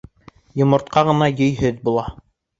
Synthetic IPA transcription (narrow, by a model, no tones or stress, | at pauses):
jŏmŏɾt̪qɑʁɤ̆nɑjɵ̆jɦɵðbulˠɑ